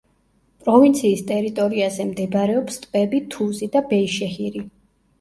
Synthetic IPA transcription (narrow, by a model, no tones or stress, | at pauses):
pʼɾɔvint̪sʰiːst̪ʼɛɾit̪ʼɔɾiazɛmd̪ɛbɾɛɔpst̪ʼpʼɛbit̪ʰuzid̪abɛiʃɛhiɾi